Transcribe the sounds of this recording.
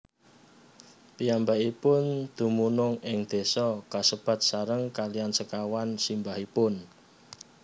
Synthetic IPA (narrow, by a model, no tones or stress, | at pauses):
pijambaipʊnd̪̥ṳmunʊŋɪŋd̪̥e̤sɔkasəb̥ä̤t̪̚saɾəŋkaliansəkawansimbahipʊn